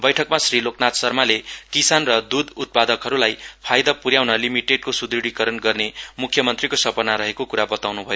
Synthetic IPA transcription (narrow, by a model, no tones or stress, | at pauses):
bʌjʈʰʌkmasriloknat̪sʌrmalekisanrʌd̪ud̪ut̪̚pad̪ʌkɦʌɾulajpʰajd̪apuɾjawnʌlimiʈeɖkosud̪ɾiɽikʌɾʌnɡʌrnemukʰjʌmʌnt̪rikosʌpʌnaɾʌɦekokuɾabʌt̪awnubʱʌjo